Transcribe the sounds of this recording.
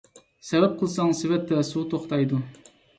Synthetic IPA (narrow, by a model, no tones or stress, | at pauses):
sɛvɛp̚qʰəlˠsɑŋsɪvɛt̪ʰːɛsut̪ʰoχt̪ɑjd̪u